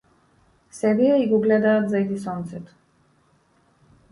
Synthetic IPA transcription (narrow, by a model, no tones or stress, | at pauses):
sɛbiaiɡɔɡlɛd̪aːt̪zajd̪isɔnt̪sɛt̪ɔ̥